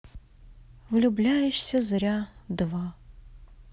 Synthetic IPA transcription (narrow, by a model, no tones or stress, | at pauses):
vɨlʲublʲajʊɕsʲɐzɐɾʲad̪va